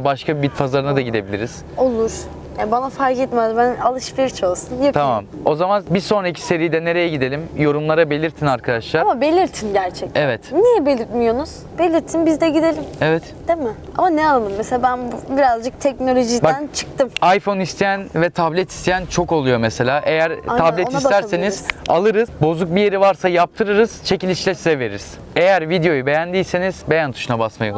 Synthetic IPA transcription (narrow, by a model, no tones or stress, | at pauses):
baʃkʰabibit̪pʰazaɾɯnad̪aɟid̪e̞bilʲiɾiz̥ | o̞lˠuɾ̥ | jabanafaɾkɛt̪mæzbænalˠɯʃfiɾt͡ʃʰolˠsunjat̪ʰamam | o̞zamanbiso̞nɾaicʰi̥se̞ɾijd̪ɛne̞ɾe̞jɛɟid̪e̞lʲimjo̞ɾumlˠaɾabe̞lʲiɾt̪ʰinaɾkʰad̪aʃlˠaamabe̞lʲiɾt̪ʰinɟæɾt͡ʃʰɛc̪̚evɛt̪nijɛbelʲiɾt̪mijo̞nuz̥ | b̥e̞lʲiɾt̪ʰinbizd̪ɛɟid̪elʲimevɛt̪d̪̥emɪa̰manɛalˠalˠɯmmeseabænbubiɾazd͡ʒɯk̚t̪ʰɛcnolʲo̞ʒidbaænt͡ʃʰɯ̥k̚t̪ʰɯmajfo̞nist̪ʰejænvɛt̪ʰablʲɛt̪ʰi̥st̪ʰejænt͡ʃʰo̞ko̞lˠujo̞mese̞lʲaːʔe̞jæɾʰablʲɛtniast̪æɾse̞nizz̥a̰lˠɯɾɯzbo̞zuk̚bije̞ɾivaɾsajap̚t̪ʰɯɾɯɾɯz̥t͡ʃʰe̞cilʲit͡ʃlʲɛsizɛve̞ɾiɾiz̥ | e̞jæɾvid̪ejo̞jube̞jænd̪ijse̞niz̥be̞jænt̪ʰu̥ʃunabasma̰jo